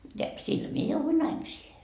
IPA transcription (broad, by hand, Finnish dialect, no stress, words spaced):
jɑ sil mie jouʋui nɑimisiːhe